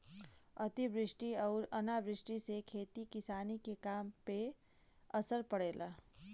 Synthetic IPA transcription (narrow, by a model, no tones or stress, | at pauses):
ɐt̪ibɾɪʃʈiɔːɾɐnaːbɾɪʃʈisekʰeːt̪ikɪsaːnikekaːmpe | ɐsəɾpəɽeːlʔaː